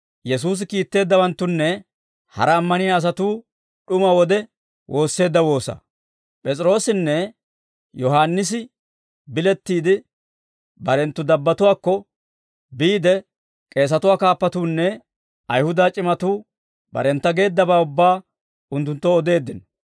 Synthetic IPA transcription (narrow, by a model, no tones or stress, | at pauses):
jɛsuːs̬ɪkiːt̪ːe̞ːd̪ːɐwɐnt̪ːʊnːɛ | hɐ̰ɾɐːmːɐnɪjaːs̬ɐt̪uː | ɗʊmɐwɔd̪ɛ | wʔo̞ːsːe̞ːd̪ːɐwo̞ːsɐ̰ | pʼɛt͡sʼɪɾo̞ːsɪnːɛ | jɔhaːnːɪs̬ɪ | bɪlɛt̪ːiːd̪ɪ | bɐɾɛnt̪ːʊd̪ɐbːɐt̪ʊwaːkːɔ | biːd̪ɛ | kʼe̞ːs̬ɐt̪ʊwaːkaːpːɐt̪uːnːɛ | ɐjhʊd̪aːt͡ʃʼɪmɐt̪uː | bɐ̰ɾɛnt̪ːɐɡe̞ːd̪ːɐbaːʊbːaː | ʊnt̪ːʊnt̪ːɔːd̪e̞ːd̪ːɪn